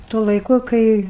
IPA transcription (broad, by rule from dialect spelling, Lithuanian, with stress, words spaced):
tuɔ lˠɐɪˈkʊ kɐɪ